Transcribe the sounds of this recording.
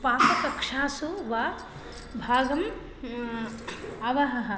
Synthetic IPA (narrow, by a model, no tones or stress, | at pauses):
paːpɐk̪ɐkʂaːsuʋa | bʱaːɡɐm | ɐʋɐɦɐɦɐ